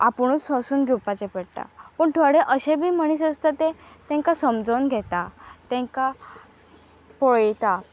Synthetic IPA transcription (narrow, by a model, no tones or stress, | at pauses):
a̰puɳ̃ut͡səsuːnɡʱuwpat͡ɕepəɽʈa̰pəːɳʈ̪ʰəɽeʔəɕẽbiːm̤əɽ̃iːsəst̪at̪et̪ɛ̃ŋkasəmd͡zəwnɡʱɛt̪at̪ɛ̃ŋka | poɭəjt̪a